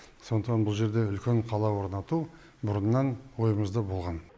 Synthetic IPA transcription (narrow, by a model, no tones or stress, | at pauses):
so̞nd̪ət̪ɑnbʊlˠʒe̞ɾd̪e̞ʏlkʲe̞ɴqʰɑlˠɑwo̞ɾnɑt̪u | bʊɾənːɑnwo̞jəməzd̪əbo̞lˠʁɑn